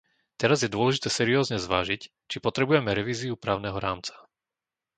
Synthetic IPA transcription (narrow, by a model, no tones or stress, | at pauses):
t̪ɛɾazjɛd̪ʊɔlɛʒit̪ɛːsɛɾiɔːzɲɛzʋaːʒic | t͡ʃipɔt̪ɾɛbujɛmɛɾɛʋiːziupɾaːʊnɛɦɔɾaːmt͡sḁ